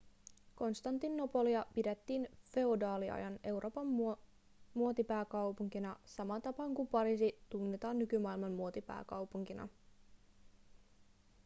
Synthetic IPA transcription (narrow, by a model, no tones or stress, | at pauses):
ko̞nst̪ɑnt̪inːo̞po̞liɑpidet̪ːiːnfe̞odɑːliɑ̰jɑne̞wɾʔo̞ːpɑm | muo̞t̪ipæːkɑwpuŋkinɑsɑmɑt̪ɑpɑːŋkumpɑɾisit̪unːet̪ɑːnːykymɑilmɑmmuot̪ipæ̰ːkɑwpuŋk̟inɑ̰